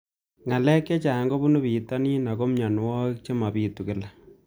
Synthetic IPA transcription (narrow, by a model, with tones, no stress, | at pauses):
ŋa˨lɛ˦kːe˦t͡ʃa˨˦ŋɡo˦bu˦nu˦piː˨ta˦ni˦na˨ko˦mɲa˨nwɔ˦k̚t͡ʃe˦ma˨piː˦tu˨kɪ˦la˨